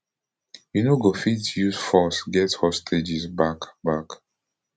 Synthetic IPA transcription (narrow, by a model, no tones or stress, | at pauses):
junoɡofitjusfɔsɡɛthɔstʰed͡ʒizbakbak